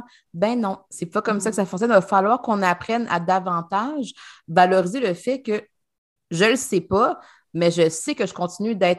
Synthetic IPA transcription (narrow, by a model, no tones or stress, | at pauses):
bɛ̃nɔ̃sɛpɔkɔmsakə̥safɔ̃ksjɔnvafalwaːʁkɔ̃napχɛna̰d̪avɑ̃t̪aʒvalɔʁizeləfɛkʲə | ʒələsepa | mɛʒəsekəʒəkɔ̃t̪sinyd̪ɛːt̪